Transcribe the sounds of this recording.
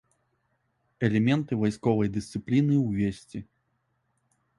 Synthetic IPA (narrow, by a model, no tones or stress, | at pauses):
ɛlʲɛmʲɛnt̪ɨvajskɔvɐjd̪ɨst̪sɨplʲinɨwvʲesʲt͡sʲi